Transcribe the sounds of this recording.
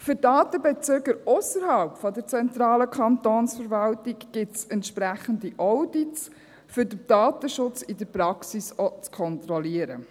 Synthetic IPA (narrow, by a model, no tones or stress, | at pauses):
fʏɾdɑːt̪əbɛt͡søɡəɾʊsəɾhaʊpfɔdəɾt͡sɛnt̪ɾɑːləkʰɑntoːnsfəɾvɑltɪɡɡ̥ɪtsɛntʃpɾæχən̩diʔɔʊdits | fʏɾdəd̥ɑːtəʃʊt͡sɪdəɾprɑksisɔt͡skʰɔnt̪ɾɔliəɾə